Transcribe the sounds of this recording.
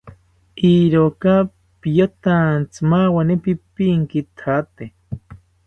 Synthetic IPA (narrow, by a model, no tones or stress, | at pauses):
iɾoka | pijot̪ant͡sɨmawanipipiŋkit̪ʰat̪e